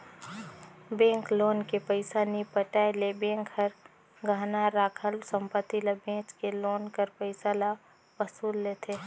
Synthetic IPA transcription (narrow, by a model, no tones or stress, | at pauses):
bẽːŋkloːnkepəɪsanipəʈaːjlebẽːŋkɦəɾ | ɡʱaːnaɾaːkʰəlsə̃mpət̪iləbẽːt͡ʃkeloːnkəɾpəɪsala | ʋəsuːlːeːt̪ʰe